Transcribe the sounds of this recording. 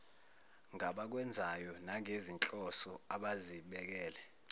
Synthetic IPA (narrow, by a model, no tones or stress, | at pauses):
ŋʱaɓak̬wɛnd͡zʱajɔnaŋʱezint͡ɬʼɔsɔaɓaziɓɛk̬ɛːlɛ